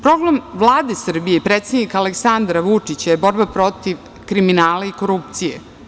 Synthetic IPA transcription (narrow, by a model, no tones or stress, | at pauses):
pɾoɡlamʋlˠaːd̪esr̩bijepɾeːt̪sed̪nikaleksand̪ɾaʋut͡ʂit͡ɕajebo̞ɾbapɾo̞t̪iʋ | kɾiminaːlaiko̞ɾupt̪sijḛ